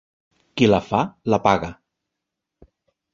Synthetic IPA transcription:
kilafalapaɣa

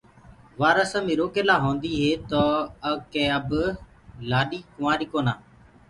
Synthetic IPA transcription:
ʋaːɾəsəmĩːɾoːkeːlaːɦõːnd̪iːɦeːt̪oːəkẽːəb | laːɗiːkʊmaːɾiːkoːnaː

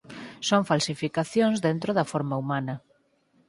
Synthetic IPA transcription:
soŋfalsifikaθjoŋzðent̪ɾoðɐfoɾmɐumanɐ

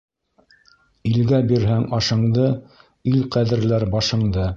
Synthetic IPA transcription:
ilɡæbiɾɦæŋɑʃɤ̆ɴd̪ɤ | ilqæðɘ̆ɾlæɾbɑʃɤ̆ɴd̪ɤ

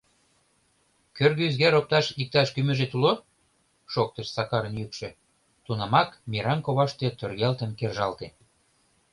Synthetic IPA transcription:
kørɣyzɣeɾop̚t̪ɑʃik̚t̪ɑʃkymɘ̆ʒet̪ulo | ʃok̚t̪ə̆ʃsɑkɑɾə̆njykʃĕ | t̪unɑmɑkmiɾɑnkoβɑʃt̪ĕt̪ørɣælt̪ə̆nkerʒɑlt̪en

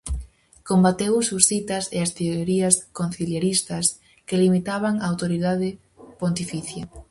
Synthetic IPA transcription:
kombat̪ewsusθit̪ɐseɐst̪eoɾiɐskonθiljeɾist̪ɐs | kelimit̪aβ̞aŋaːwt̪oɾiðaðɪ | pont̪ifiθjɐ

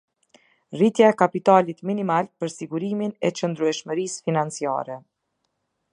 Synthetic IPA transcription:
rit̪jaɛkapit̪alit̪minimalpəɾsiɡuɾiminɛt͡ʃənd̪ɾuɛʃməɾisfinant͡sia̰ɾɛ

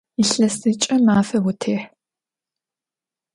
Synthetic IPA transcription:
iɬɐsɨt͡ʃʼɐmaːfɐwʊtʰeːħ

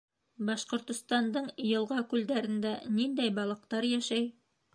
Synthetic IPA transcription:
bɑʃqŏɾt̪ŏst̪ɑnd̪ɤɴjɤ̆lˠʁɑkʉld̪æɾɘ̆nd̪ænind̪æjbɑlˠɤ̆qt̪ɑɾjæʃæj

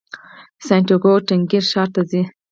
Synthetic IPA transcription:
saɳʈoɡoʈɪŋɡiɾʃɑɾt̪azi

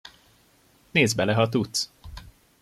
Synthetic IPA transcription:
neːzbɛlɛɦɒt̪ut̪s

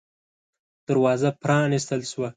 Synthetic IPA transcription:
d̪̥əɾwɑzapɾɑnis̬t̪əlʃwa

